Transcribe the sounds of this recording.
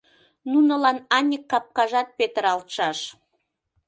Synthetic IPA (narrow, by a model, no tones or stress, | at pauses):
nunəlɑnɑnʲikːɑp̚kɑʒɑt̪̚pet̪əɾɑlt̪ʃɑʃ